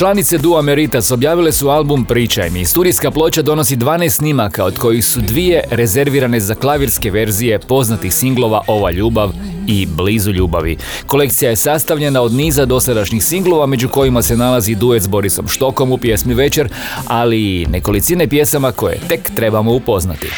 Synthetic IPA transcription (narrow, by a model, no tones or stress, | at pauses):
t͡ʃlˠanit̪sed̪uameɾit̪aso̞bjaːʋile̞sualˠbumpɾiːt͡ʃa̰jmist̪uːd̪ijskaplˠo̞t͡ʃad̪o̞no̞sid̪ʋaːnest̪nimakao̞d̪ko̞jixsud̪ʋije̞ɾe̞ze̞ɾʋiɾane̞zaklˠaʋiɾske̞ʋe̞ɾzije̞po̞znat̪ixsiŋɡlˠo̞ʋaʔo̞ʋaʎuːbaʋ | iblizuʎuːba̰ʋḭ | ko̞le̞kt̪sijaje̞sast̪aʋʎe̞nao̞d̪niːzad̪o̞sad̪aʃɲixsiŋɡlo̞ʋame̞d͡ʒuko̞jimase̞nalazid̪uje̞t̪zbo̞ɾiso̞̰mʃt̪o̞ko̞mupje̞smiʋe̞t͡ʃe̞ɾ | alineko̞lit̪sine̞pje̞samako̞jḛt̪e̞kt̪ɾe̞bamo̞upo̞zna̰t̪ḭ